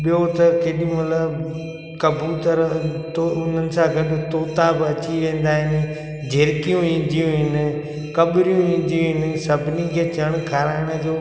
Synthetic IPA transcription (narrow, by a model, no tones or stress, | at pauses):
ɓijot̪ɐkeːɗiũmɐt̪ləb | kɐbʱuːt̪əɾt̪oʊn̤ənɪ̆sãɡʱɐɗt̪oːt̪abɪɐt͡ɕiʋẽːn̆d̪aːɦɪnɪ̆ | d͡ʒʱeːɾkijũĩːn̆d̪ʱijũɦɪnɪ̆ | kɐɓɾijũĩːn̆d̪ijũɦɪnɪsɐbʱɪnikʰeːt͡ʃɐɽ̃kʰaːɾaːɪɽ̃d͡ʒoː